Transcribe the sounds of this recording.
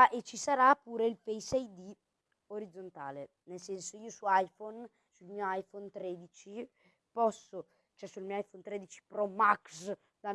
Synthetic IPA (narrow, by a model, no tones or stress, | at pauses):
ʔet͡ʃːisaɾapːuːɾeilpejsɛjd̪i | oɾid̪zont̪a̰ːle | nelsɛnsoiːosuajfɔn | sulmiːoajfɔnt̪ɾeːd̪it͡ʃi | pɔsːo | t͡ʃoɛsulmiːoajfont̪ɾeːd̪it͡ʃi̥pɾɔmaks | d̪a